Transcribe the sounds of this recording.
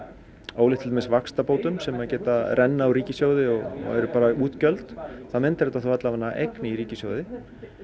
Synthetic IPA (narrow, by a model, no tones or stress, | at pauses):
oːwlɪht̪ʰɪlmɪsvakst̪apoːwt̪ʏmsɛmacɛːt̪arʔɛnːaawɾiːcɪsjowðɪɔɣɔ̰ɣɛɾʏpaːɾauːt̪cœlt̪θaðmɪnt̪aɾɛt̪aθuwhat̪lavanːaʔejknɪiɾiːcɪsjowðɪ